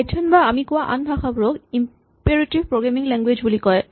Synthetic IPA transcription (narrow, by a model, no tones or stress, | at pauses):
tʰɔnbaamikuwaʔa̰nbʱaxabɹoɡim | peɹatibpɹoɡɹamiŋlɛŋɡwed͡ʑbulikɔj